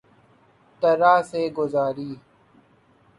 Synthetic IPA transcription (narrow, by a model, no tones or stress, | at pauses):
t̪əɾaːseːɡʊzaːɾiː